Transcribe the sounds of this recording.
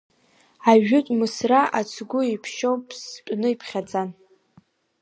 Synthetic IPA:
aʒʊtʷʼmɨsraʔat͡sʰɡʷʊipʰʃowpʼʰspʷʼnɨipʰχʲad͡zan

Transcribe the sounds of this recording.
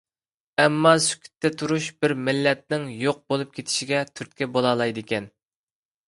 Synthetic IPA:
ɛmːɑsy̥kʲʰi̥t̪ʰːɛt̪ʰuɾuʃbɪɾmɪlːɛt̪̚nɪŋjoq̚bolˠup̚kʲʰet̪ʰɪ̥ʃiɡʲɛt̪ʰyɾt̪̚kʲɛbolˠɑːlˠɑjd̪ɪkʲʰɛn

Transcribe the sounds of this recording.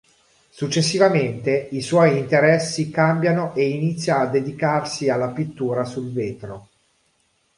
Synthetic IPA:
sut͡ʃːesːivament̪eiswɔjint̪eɾɛsːikambjanoʔeinit̪sːjaːd̪ːed̪ikarsialːapit̪ːuːɾasulveːt̪ɾo

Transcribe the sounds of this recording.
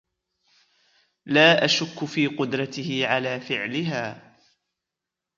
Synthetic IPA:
laːʔaʃʊkːʊfiːqʊd̪ɾˤɑt̪ɪhɪʕalaːfɪʕlɪɦaː

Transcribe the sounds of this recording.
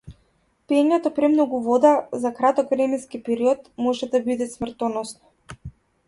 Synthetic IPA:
pɛɲɛt̪ɔpɾɛmnɔɡuvɔd̪azakɾat̪ɔkvɾɛmɛnskipɛɾiɔt̪mɔʒɛd̪abid̪ɛsmr̩t̪ɔnɔsnɔ̥

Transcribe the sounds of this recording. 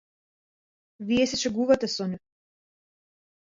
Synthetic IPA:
viɛsɛt͡ʃɛɡuvat̪ɛsɔnɛ

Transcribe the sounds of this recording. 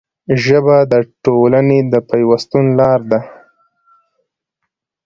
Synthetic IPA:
ʒəbad̪əʈolaned̪əpajwast̪unlɑɾd̪a

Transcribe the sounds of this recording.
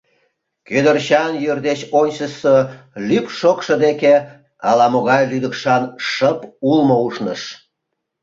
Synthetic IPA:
kød̪ərɕɑnjørd̪et͡ɕonʲɕəsəlypʃokʃɤd̪eke | ɑlɑmoɣɑjlyd̪əkʃɑnʃəpulmouʃnəʃ

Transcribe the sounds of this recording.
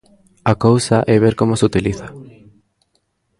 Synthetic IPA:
akowsaʔɛβeɾkomosut̪iliθḁ

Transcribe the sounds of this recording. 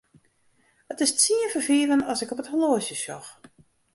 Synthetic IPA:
ətɪssiəfərfiːɾənɔsɪkɔpətholoəsjəsjɔ̰x

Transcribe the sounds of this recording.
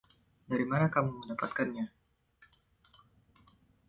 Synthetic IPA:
daɾimanakamuməndapa̰t̪̚kanɲa

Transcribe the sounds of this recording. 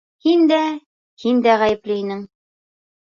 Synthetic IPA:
hind̪æ | hind̪æʁæjɘ̆plɘinɘŋ

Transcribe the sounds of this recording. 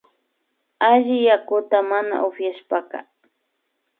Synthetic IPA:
aʒɪjakʊt̪amana̰ʔʊfjaʃpakɑ̰

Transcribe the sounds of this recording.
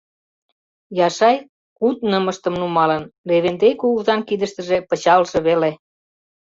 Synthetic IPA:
jɑʃɑj | kut̪̚nəmə̆ʃt̪ə̆mnumɑlənleβend̪ejkuɣuzɑnkid̪əʃt̪ə̆ʒepə̆t͡ɕɑlʒeβele

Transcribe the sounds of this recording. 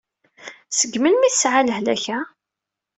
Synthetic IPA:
səɡmənmiθsʕaləhlæ̰çæ

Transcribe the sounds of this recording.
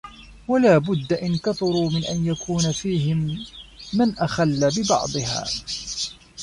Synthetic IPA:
walaːbʊd̪ːaʔɪnkɑt̪ˤʊɾuːmɪnʔa̰njakʰuːnafiːɦɪmː | anʔaxalːabɪbɑ̰ʕd̪ˤɨha̰ː

